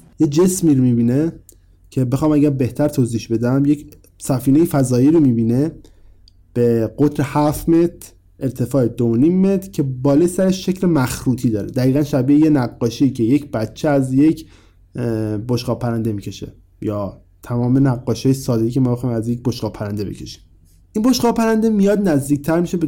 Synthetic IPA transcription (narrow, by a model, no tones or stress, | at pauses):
jed͡ʒe̞smiːɾomibiːne | cʰe̞bexɒːmæɟæɾbe̞ht̪ʰæɾt̪ʰoːziːhʃbe̞d̪æmjecʰ | sæfiːnejefæzɒːiːɾomiːbiːne | b̥eɡot̪ɾehæfme̞t̪ʰɾ | eɾt̪ʰe̞fɒːed̪ooniːmːet̪ʰɾ̥cʰe̞bɒːlesæɾeʃːe̞cʰlemæxɾuːt̪ʰiːd̪ɒːɾed̪æɣiːɣænʃæbiejenæɣːɒːʃeicʰejecb̥æt͡ʃʰːeæzje̞cʰ | boʃɡ̥ɒːpʰæɾænd̪e̞miːcʰe̞ʃḛ | jɒː | t̪ʰæmɒːmenæɡːɒːʃɑːjesɒːd̪ecʰemɒːbexɒjmæzjec̚boʃɡɒːpʰæɾænd̪ebḛcʰe̞ʃi̥m | ʔinboʃɡɒːpæɾænd̪e̞mijɒːd̪næzd̪iːc̚t̪ʰæɾmiʃebe